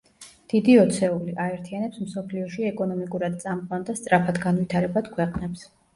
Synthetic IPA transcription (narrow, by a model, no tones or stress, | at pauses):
d̪̥id̪iɔt̪sʰɛuliʔaɛɾt̪ʰianɛpsmsɔpʰliɔʃiɛkʼɔnɔmikʼuɾad̪̚t̪sʼamqʼɔnd̪ast̪sʼɾapʰad̪ɡanvit̪ʰaɾɛbad̪̥kʰwɛqʼnɛps